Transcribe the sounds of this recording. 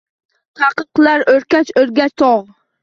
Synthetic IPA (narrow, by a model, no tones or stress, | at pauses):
t̪ʰaqɨqlaɾɵɾkʲat͡ʃɵɾɡʲat͡ʃt̪ʰɒʁ